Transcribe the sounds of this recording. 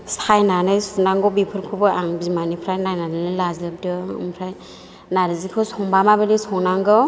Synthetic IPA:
sajnanɯjsunaŋɡɔbipʰɯɾkʰubɯaŋbizmanipʰɾajnajnanɯnɯjlazɯb̚dɯɯ̰mpʰɾaj | naɾɯzikʰɯsʰɔŋbamabɯdisɔŋnaŋɡɯ

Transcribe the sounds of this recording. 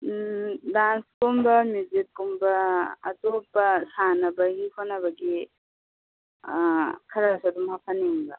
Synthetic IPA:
danskumbɐmud͡ʒit̚kumbɐːtopːɐsanɐbɐɡikʰonɐbɐɡi | kʰɐɾasadumhapʰɐneŋbɐ

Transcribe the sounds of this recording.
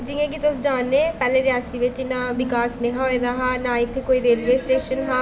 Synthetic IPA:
d͡ʒiẽːɡit̪ʊsd͡ʒaːnːeːpɛːleːɾɪjaːsiʋɪt͡ʃnaːbɪkaːsnẽːɦaːed̪aːɦaːnaːɪt̪ʰːekoːiɾeːlʋeːsʈeːʃənɦaː

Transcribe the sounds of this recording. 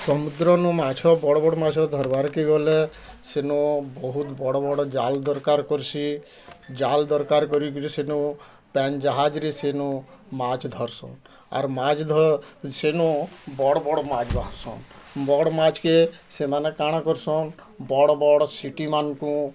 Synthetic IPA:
sɔmud̪ɾɔnɔmat͡ʃʰɔbɔɽɔbɔɽɔmat͡ʃʰɔd̪ʱɔɾbaɾkeɡɔle | senɔbɔɦut̪bɔɽɔbɔɽɔd͡ʒald̪ɔɾkaɾkɔɾt͡ʃʰi | d͡ʒald̪ɔɾkaɾkɔɾikt͡ʃʰisenu | pɛnd͡ʒaɦad͡ʒɾisenu | mat͡ʃd̪ʱɔɾsɔ̰n | a̰ɾmad͡ʒd̪ʱɔsenɔ̃bɔɽɔbɔɽɔmad͡ʒbaɦasɔ̰nbɔɽɔmat͡ʃʰkesemanekaɽ̃akɔɾsɔn | bɔɽɔbɔɽɔsiʈimankũ

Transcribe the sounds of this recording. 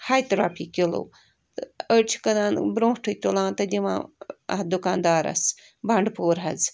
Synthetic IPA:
hajt̪ɾaːpʰiːkilo̰ː | t̪ət͡ʃʰi̥kɐnaːnbɾõːʈʰɨt̪ulãːnt̪ɐd̪ʲiʋã̰ːɐ̰d̪ukaːnd̪aːɾɐ̰s | bɐɳɖpoːɾɦɐz

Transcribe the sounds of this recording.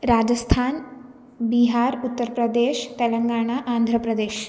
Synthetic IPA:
ɾad͡ʑəst̪ʰan | biɦaɾut̪ːəɾpɾəd̪eɕt̪eləŋɡaɽ̃aʔand̪ʱɾəpɾəd̪eɕ

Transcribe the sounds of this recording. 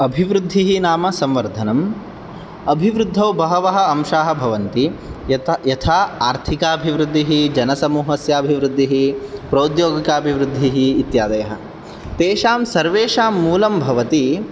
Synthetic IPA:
ɐbʱiʋɾud̪ʱːiɦinaːmɐsɐmʋɐɾd̪ʱɐnɐm | ɐbʱiʋɾud̪ʱːɐʋbɐɦɐʋɐɦɐ̆ɐmʃaːɦɐ̆bʱɐʋɐnt̪i | jɐt̪ʰaːaːɾt̪ʰikaːɐbʱiʋɾud̪ʱːiɦid͡ʒɐnɐsɐmuːɦɐsjaːbʱiʋɾud̪ʱːiɦipɾɐwd̪joːɡikaːɐbʱiʋɾud̪ʱːiɦiːt̪jaːd̪ɐjɐɦɐ̆ | t̪eːʃaːmsɐɾʋeːʃaːmːuːlɐmbʱɐʋɐt̪i

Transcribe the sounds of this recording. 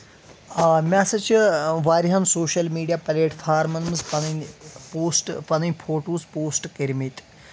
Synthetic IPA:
mʲaːsɐt͡ʃʰiʋaːɾiɦɐnsoːʃɐlmiːɖijaːpɐleːʈfʰaːɾmɐnmɨzpɐnɐnpoːsʈpɐnɐnʲpʰoːʈuːspoːsʈkeɾmit̪

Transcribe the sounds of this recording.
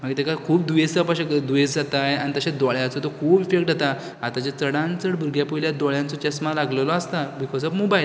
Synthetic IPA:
m̤əɡt̪ekakʰuːp̚d̪uesapaɕekəd̪ujesd͡zat̪ajanit̪əɕed̪ɔɭjãt͡sɔt̪okʰuːpifek̚ʈd͡zat̪a | at̪at͡ɕat͡səɽãnt͡səɽbʱuɾɡjapojljad̪ɔɭjãnt͡sɔt͡ɕesmalaɡləlɔast̪abikʰɔd͡zɔbmobajl

